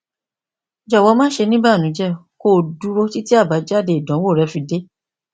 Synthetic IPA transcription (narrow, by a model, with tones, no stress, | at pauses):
d͡ʒɔ˨wɔ˨˧˦mãː˦ʃe˧nĩ˦ba˦˨nũ˨˦d͡ʒɛ˦˨ko˦˨du˨˦ɾo˧ti˦ti˦a˦˨ba˨˦d͡ʒa˦˨de˧i˨dɔ̃˨˦wo˦˨ɾɛ˨˧˦fi˧de˦